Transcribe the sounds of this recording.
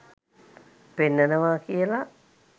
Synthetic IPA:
penːənəʋaːkiəla

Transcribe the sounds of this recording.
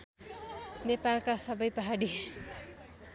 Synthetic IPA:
nepalkasʌbʌjpʌɦaɽi

